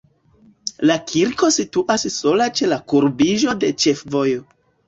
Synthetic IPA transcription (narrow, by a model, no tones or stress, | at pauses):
lakʰiɾko̞situʔasso̞lat͡ʃe̞lakuɾbiʒo̞de̞t͡ʃe̞fvo̞jo̞